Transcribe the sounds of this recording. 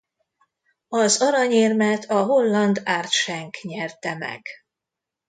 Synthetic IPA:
ɒzɒɾɒɲeːrmɛt̪ʰɒɦo̞lːɒnd̪aːrt̪ʃɛŋkɲɛrt̪ɛmɛ̰ɡ̥

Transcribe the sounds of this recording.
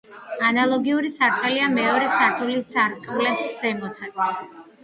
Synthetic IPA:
analˠɔɡiuɾisaɾt̪ʰɛliamɛɔɾɛsaɾt̪ʰulisaɾkʼvlɛpsːɛmɔt̪ʰan

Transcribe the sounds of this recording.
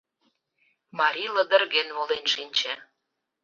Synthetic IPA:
mɑɾʲilə̆d̪ə̆rɣenβolenʃinʲt͡ɕĕ

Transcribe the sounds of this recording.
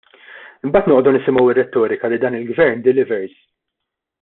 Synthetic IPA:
ɪmbɐːt̪nɔʔɔd̪unɪsɪmɔwɪrːɛt̪ːɔːɾɪkɐlɪd̪ɐːnɪlɡvɛɾnd̪ɪlɪvɛɾz

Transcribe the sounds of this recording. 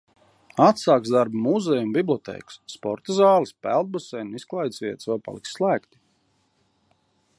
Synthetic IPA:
at̪saːksd̪aɾbumuzɛjumbiblˠɔt̪ɛ̰ːksːpɔɾt̪azɑːlˠɨspæ̰lˠd̪̚busɛjnunisklˠajt̪sʲvʲiɛt̪svɛwpa̰lˠiksːlˠæːkt̪i̥

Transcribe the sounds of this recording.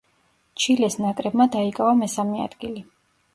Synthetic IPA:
t͡ʃʰilɛsnakʼɾɛbmad̪aikʼavamɛsamɛa̰d̪̥ɡili

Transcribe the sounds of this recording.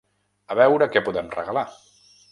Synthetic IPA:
əβɛwɾəkɛpuðɛmrə̰ɣəla

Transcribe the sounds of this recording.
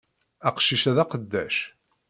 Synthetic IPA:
æqʃiʃæðæqəd̪ːæʃ

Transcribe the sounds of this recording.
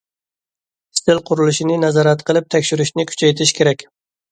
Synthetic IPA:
st̪ʰɪlˠqʰʊɾɨlˠuʃinɪnɛzɑɾæt̪qʰəlˠɪp̚t̪ʰɛkʲʃyɾyʃnɪkʲʰy̥t͡ʃʰɛjt̪ʰɪʃkʲʰeɾɛkʲ

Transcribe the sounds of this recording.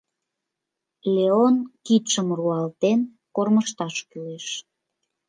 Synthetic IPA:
lʲeonkit̪ʃəmruɑlt̪en | korməʃt̪ɑʃkyeʃ

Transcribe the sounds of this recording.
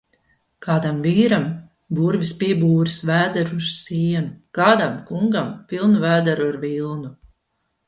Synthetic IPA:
kaːd̪amviːɾam | buɾvʲispiɛbuːɾisvæːd̪ɛɾuaɾ̥siɛnukaːd̪amkuŋɡampilˠnuvæːd̪ɛɾuaɾvilˠnu

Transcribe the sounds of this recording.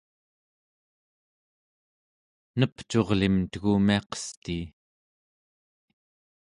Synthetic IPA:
nəpt͡ʃo̞ʁlimt̪əɣumiɑqʌ̥st̪iː

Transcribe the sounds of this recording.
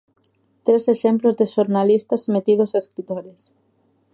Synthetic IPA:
t̪ɾeseʃemplozðeʃoɾnalist̪azmet̪ið̞osaeskɾit̪oɾes

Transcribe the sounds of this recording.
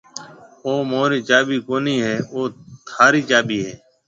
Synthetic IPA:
oːmoːɾiːt͡ʃaːbiːkoːniːɦɛːoːt̪ʰaːɾiːt͡ʃaːbiːɦɛː

